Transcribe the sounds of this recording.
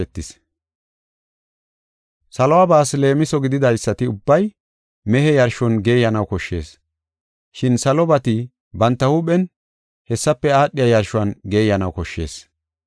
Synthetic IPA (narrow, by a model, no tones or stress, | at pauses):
ɛt̪ːɪs | sɐlɔwabaːsle̞ːmɪsɔɡɪd̪ɪd̪ɐjsːɐt̪ɪʊbːɐj | mɛhɛjɐɾʃɔnɡe̞ːjɐnɐwkɔʃːe̞ːs | ʃɪnsɐlɔbɐt̪ɪ | bɐnt̪ːɐhuɓɛn | hɛsːɐpːɛaːɗːɪjɐjɐɾʃʊwɐnɡe̞ːjɐnɐwkɔʃːe̞̰ːs